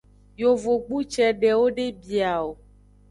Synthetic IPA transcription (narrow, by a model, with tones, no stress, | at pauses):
jo˨vo˨ɡ͡bu˦t͡ʃɛ˨ɖɛ˨wo˦ɖe˦bi˨a˨wo˨